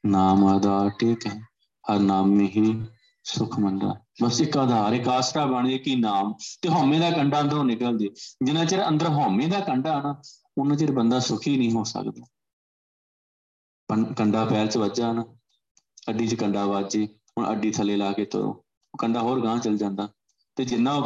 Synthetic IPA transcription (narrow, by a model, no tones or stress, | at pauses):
naːmaːd̪aːɾʈʰiːkɦɛː | həɾnaːmːẽːɦiː | sʊkʰmənɾa̰ː | bəsɪkaːd̪ʱaːɾeːkaːsʈaːbəɳd͡ʒeːkiːnaːmt̪eːɦoːmẽːd̪aːkəɳɖaːənd̪əɾõːnɪkəld͡ʒeːd͡ʒɪnãːt͡ʃeɾeə̃nd̪əɾɦoːmẽːd̪aːkəɳɖaːɦənaː | ʊnãːt͡ʃeɾbənd̪aːsʊkʰiːnəĩːɦoːsə̰kd̪aː | pəkəɳɖaːpɛːlt͡ʃəʋəd͡ʒaːɦnaː | əɖĩːt͡ʃkəɳɖaːʋaːd͡ʒeː | ʊɳʔə̰ɖiːt̪ʰəleːlaːkeːt̪ʊ̰ɾõ̰ː | okəɳɖaːɦoːɾɡãːt͡ʃəld͡ʒãːnd̪aː | t̪eːd͡ʒɪnːãː